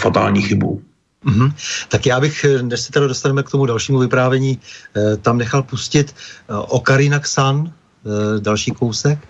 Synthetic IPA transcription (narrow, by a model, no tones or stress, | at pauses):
fat̪a̰ːlɲiːxɪbṵ | ʔm̩ɦm̩t̪akjaːbɪxnɛʃsɛt̪aɾadost̪anɛmɛkt̪o̞mudalʃiːmuvɪpɾaːvjɛɲiːt̪amnɛxalpuscɪt̪ʔokaɾɪnaksan | dalʃiːkowsɛk